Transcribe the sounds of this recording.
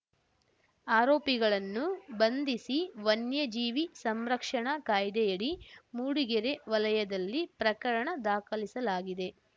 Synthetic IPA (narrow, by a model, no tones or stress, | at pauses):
aːɾo̞ːpiɡɐɭɐnːubɐnd̪isiʋɐnjɐd͡ʒiːʋisɐmɾɐkʂɐɳɐkaːjd̪ɛjɐɽimuːɽiɡɛɾeʋɐlɐjɐd̪ɐlːipɾɐkɐɾɐɳɐd̪aːkɐlisɐlaːɡid̪e̞